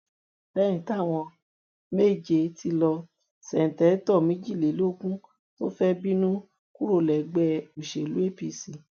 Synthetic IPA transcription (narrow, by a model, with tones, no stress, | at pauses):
bɛ˦ñĩ˨˧ta˦˨w̃ɔ̃˧ | me˦˨d͡ʒe˧ti˧lɔ˧ | sɛ˨n̩˨tɛ˨˦tɔ˦˨mĩ˦d͡ʒi˦˨le˨˦lo˦kũ˦ | to˦fɛ˦bi˦nũ˦ | ku˦ɾo˦˨lɛ˨ɡ͡bɛ˦u˨ʃe˨lu˦e˦pi˦˨si˨˦